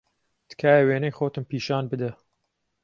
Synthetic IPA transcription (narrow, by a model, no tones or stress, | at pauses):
d̪̥kʰaːjɐweːnɐjxoːt̪ɨmpiːʃaːnbɨd̪ɐ